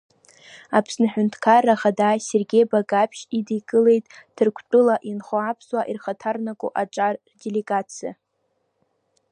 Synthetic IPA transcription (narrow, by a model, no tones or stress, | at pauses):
apʰsnaħᶣʊntʰkʰaraχadaːse̞rɡʲe̞jbaɡapʰʃidiɡʼɨle̞jtʼd̥ʰɨrkʷʰtʼɨlaʔinχoapʰswaʔirχatʰarnakʷʼʊ̰ʔaʈ͡ʂʼar | de̞leɡat͡sʰija̰